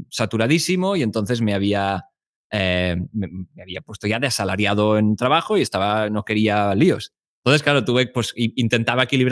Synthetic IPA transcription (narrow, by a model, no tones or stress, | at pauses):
sat̪uɾaðisimo̞ie̞nt̪o̞nθe̞zme̞aβia | emeːeaβiapwe̞st̪o̞ʝaðeasalaɾjað̞oent̪ɾaβaxo̞ie̞st̪aβano̞ke̞ɾialio̞s | nnt̪onθesklaɾot̪uβepwesiint̪e̞nt̪aβaekiliβ̞ɾ